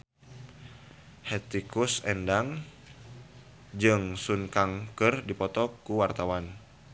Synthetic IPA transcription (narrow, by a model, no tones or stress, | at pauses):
hɛt̪ikusɛndaŋ | d͡ʒɨŋsunkaŋkɨrdipɔt̪ɔkuwart̪awan